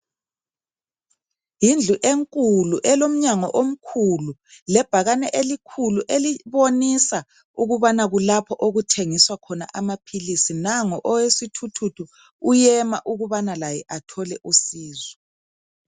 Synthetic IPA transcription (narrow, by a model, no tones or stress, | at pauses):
jind͡ɮʱuʔeŋkʼuluʔɛlom̩ɲaŋɔ̰ʔom̩kʰululɛb̥ʱaɣanɛʔelikʰuluʔeliβonisa | uɣuβanaɣulapʰɔʔoɣutʰeŋiswakʰɔna̰ʔamapʰilisinaŋɔʔɔwesitʰutʰutʰu | ujɛmaʔuɣuβanalajɛʔatʰɔlɛʔusiːzɛ